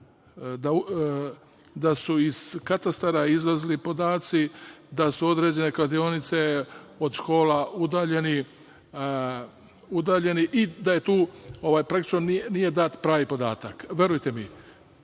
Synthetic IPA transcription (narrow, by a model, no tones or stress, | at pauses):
d̪au | d̪asuiz̥kat̪ast̪aɾaizlazlipo̞d̪aːt̪sid̪asuo̞d̪ɾed͡ʑe̞ne̞klad̪io̞nit̪se̞o̞d̪ʃko̞ːlaud̪aːʎe̞ni | ud̪aːʎe̞niʔid̪aje̞t̪uːo̞ʋaːjpɾakt̪it͡ʃnoninije̞d̪aːt̪pɾaːʋipo̞d̪a̰ːt̪akʋʲje̞ɾujt̪emi